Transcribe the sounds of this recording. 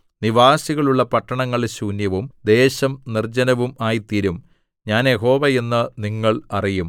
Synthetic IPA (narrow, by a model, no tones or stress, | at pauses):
niʋaːsiɣɐɭuɭːɐpɐʈːɐɳɐŋːɐɭɕuːnjɐʋumd̪e̞ːɕɐmnird͡ʑɐnɐʋumaːjit̪iɾum | ɲaːnjeɦo̞ːʋɐje̞nːɨniŋːɐɭɐrijum